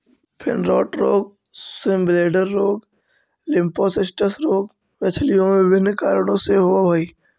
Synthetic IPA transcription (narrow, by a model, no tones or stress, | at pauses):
pʰɪ̰nɾɔːʈɾoːɡ̚ | sɪmbleːɖəɾːoːɡ | lɪ̃mposɪsʈəsɾoːɡ | ʋɛt͡ʃʰlijõmẽbɪnkaːɾɽ̃õseɦʊabʱaːi